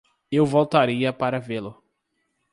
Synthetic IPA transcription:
ewvowt̪aɾiɐpaɾɐvelʊ

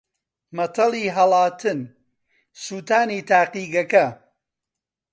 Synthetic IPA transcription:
mɐt̪ʰɐlˠiːɦɐlˠaːt̪ʰɨn | suːt̪aːniːt̪ʰaːqiːɡɐkɐ

